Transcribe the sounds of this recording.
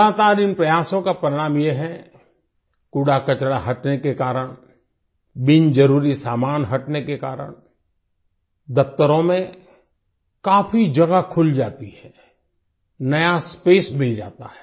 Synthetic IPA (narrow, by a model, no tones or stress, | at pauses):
aːt̪aːɾɪnpɾɐjaːsõkapɾɪɽ̃aːmjeɦɛ | kuːɽakɐt͡ʃɽaɦɐʈnekekaːɾəɽ̃ | bɪnd͡ʒɐɾuːɾisaːmaːnɦɐʈnekekaːɾə̰ɽ̃ | d̪ɐp̚t̪əɾõmẽ | kaːfid͡ʒɐɡakʰʊld͡ʒaːt̪iɦɛː | nɐjaspeːsbʱɪld͡ʒa̰ːt̪a̰ɦɛ̥ː